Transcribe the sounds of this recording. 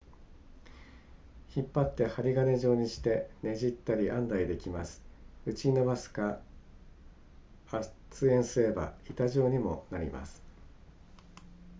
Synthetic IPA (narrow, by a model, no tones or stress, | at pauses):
çipːat̪ːe̞haɾʲiɡane̞ʑo̞ːɲ̟iɕi̥t̪e̞ne̞ʑit̪ːaɾʲiʔãnd̪aid̪e̞kʲimasɨ̥ɯ̟t͡ɕinoβasɨ̥ka | t͡sɨẽ̞ɰ̃sɨɾe̞ba̰it̪aʑo̞ːɲ̟imo̞̰naɾʲḭma̰sɨ̥